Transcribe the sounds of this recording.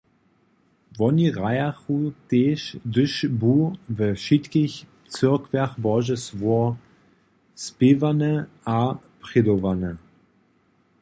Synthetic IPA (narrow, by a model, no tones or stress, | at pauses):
vɔniʁajaχuteːʃdʏʃbuvəʃitkɪç | t͡sʏɐkvɛɐχbɔʒəsvuɐ | spɪvanə | a | pʁ̥ɪdovanə